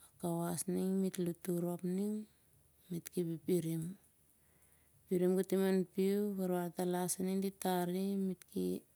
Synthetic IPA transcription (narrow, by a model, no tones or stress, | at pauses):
akawasniŋmitlutuɾo̞pniŋ | mitkipipiɾim | piɾimɡatimanpiuβaɾaɾtalasaniŋditaɾimitkḭ